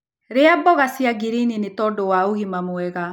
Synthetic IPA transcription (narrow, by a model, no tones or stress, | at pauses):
ɾeabɔɣasiaɡiɾininetɔdɔwaoɣimamowɛɣa